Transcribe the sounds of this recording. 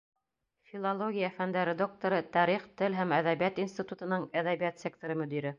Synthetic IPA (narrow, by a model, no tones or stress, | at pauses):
fʲilˠɐlˠoɡʲijafænd̪æɾɘd̪o̞k̚t̪oɾɤt̪æɾiχt̪ɘlɦæmæðæβijæt̪insʲt̪ʲit̪ut̪ɤ̆nɤɴæðæβijæt̪sʲek̚t̪oɾɤmɵ̆d̪iɾɘ